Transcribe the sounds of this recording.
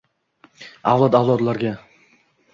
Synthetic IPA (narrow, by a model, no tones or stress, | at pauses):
avlˠɒd̪avlˠɒd̪laɾɡʲa